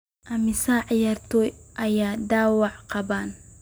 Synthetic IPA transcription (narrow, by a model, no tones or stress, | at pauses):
ʔɐmɪsaːʕjɐrt̪ʰɔjʔɐjaːd̪aːwɑʕqɑbaːn